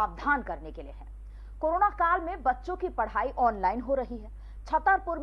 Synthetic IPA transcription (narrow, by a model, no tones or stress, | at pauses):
aːbd̪ʱaːnkɐɾnekeliḛɦɛ̃ː | koːɾoːnakaːlmẽbɐtːʃõkipɐɽ̤aːiʔɔːnlaːɪnɦoɾɐɦiɦɛː | t͡ʃʰɐt̪əɾpʊɾm